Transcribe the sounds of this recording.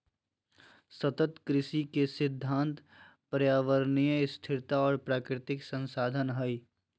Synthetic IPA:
sɐt̪ət̪kɾɪʃikesɪd̪ʱːãːnt̪ | pɾjaːʋəɾnijəɪst̪ʰɪɾt̪aɔːɾpɾaːkɾɪt̪ɪksə̃nsaːd̪ʱənɦəi

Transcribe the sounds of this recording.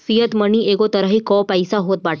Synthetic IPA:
sijət̪məniːʔeɡot̪əɾaɦiːkɔpajsaɦot̪̚baʈ

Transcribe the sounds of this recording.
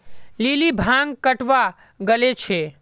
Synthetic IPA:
lilibʱãŋɡ̚kəʈʋa | ɡəlet͡ʃʰe

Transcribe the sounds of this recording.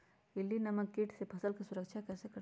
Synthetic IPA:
ilːinɐmɐkiʈsepʰɐsəlkesuɾəkʃʰakəɾsekɐɾ

